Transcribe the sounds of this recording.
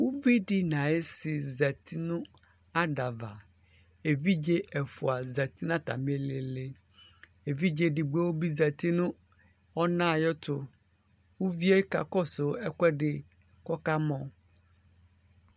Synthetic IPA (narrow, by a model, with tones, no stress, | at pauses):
wu˦vi˦ɖɪ˦nã˨e˦sɪ˨zɛ˨t̪ʰi˦nũ˦ | a˦ɖa˨va˨ | e˨vi˦d͡ʒe˦ʔɛ˨fʊ˨a˨zɛ˨t̪i˦nã˦t̪a̰˨me˨le˨le˨ | e˨vi˦d͡ʒe˦ɖɪ˨ɡ͡be˦wo˦bi˦zɛ˨t̪i˦nũ˦ | ɔ˦nã˦˨jɔ˦t̪ʊ˦ | wu˦vi˦e˦ka̰˨kɔ˦sʊ˨˦ɛ˦kʷɛ˦ɖɪ˨ | kɔ˦ka˦mɔ̃˨